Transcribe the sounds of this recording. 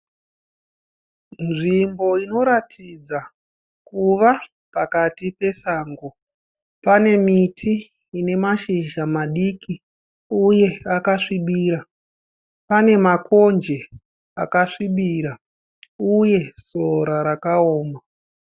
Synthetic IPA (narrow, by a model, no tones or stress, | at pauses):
nʐimbo̞ino̞ɾatʰid͡za | kuʋa | pakatipe̞saːŋɡo̞ | pane̞mitʰiː | ne̞maʃiʒamaɗiːki | uje̞akaʂiɓiːɾa | pane̞mako̞nd͡ʒe̞ | a̰kaʂiɓiɾa | uje̞so̞ɾaɾakaoːma